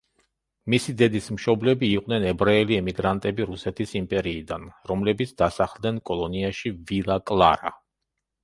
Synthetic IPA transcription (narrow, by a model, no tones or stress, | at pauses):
misid̪ɛd̪ismʃɔblɛbiːqʼnɛnɛbɾaɛliɛmiɡɾant̪ʼɛbiɾusɛt̪ʰisimpʼɛɾiːd̪anɾɔmlɛbit̪sʰd̪asaχlˠd̪nɛnkʼɔlˠɔniaʃivilˠakʼlˠa̰ɾa̰